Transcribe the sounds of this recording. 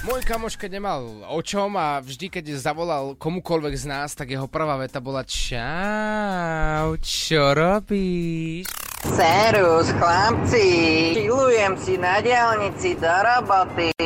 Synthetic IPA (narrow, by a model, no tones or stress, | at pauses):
mɔjkamɔʃkɛɟɲɛmalɔt͡ʃɔmavʒd̪ikɛɟzaʋɔlalkɔmukɔlʋɛɡznaːst̪aɡjɛɦɔpr̩ʋaːʋɛt̪abɔlat͡ʃa | ʊt͡ʃɔɾɔbiʃ | sɛɾusxlap̚t͡siilujɛmsinaɟɪalɲit͡sid̪ɔɾɔbɔt̪i